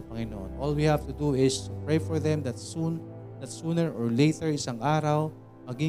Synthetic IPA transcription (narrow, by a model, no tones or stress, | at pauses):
pɐŋɪnoʔo̰nʔoːlwihavt̪ʊd̪uɪst̪upɹejfɔɹðɛmd̪ɐt̪̚sun | d̪ɐt̪sunɛɹʔɔɹlejt̪ɛɹɪsɐŋʔaːɾɐw | mɐɡi